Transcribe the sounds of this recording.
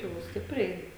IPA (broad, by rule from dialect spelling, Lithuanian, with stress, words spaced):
jɛʊ ˈsʲtʲɪpʲrʲɛɪ